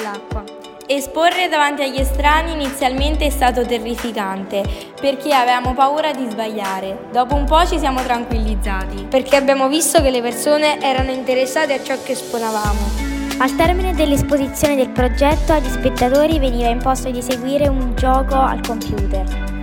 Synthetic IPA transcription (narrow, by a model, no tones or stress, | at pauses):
lakːwa | esporːed̪avant̪iaʎːest̪ɾaːniːnit̪sːjalment̪eɛst̪aːt̪ot̪erːifikant̪e | perkeaveaːmopauːɾad̪izbaʎːaːɾed̪ɔːpoumpɔt͡ʃisjaːmot̪ɾaŋkwilːid̪zːaːt̪iperk̟ʰeabːjaːmovist̪okelːepersoːneʔɛːɾanoint̪eɾesːaːt̪eat͡ʃːɔkːesponavaːmoalt̪ɛrmined̪elːespozit̪sːjoːned̪elpɾod͡ʒɛt̪ːoaʎːispet̪ːat̪oːɾiveniːvaimpost̪od̪iseɡwiːɾeund͡ʒɔːkoa̰lkompjuːt̪er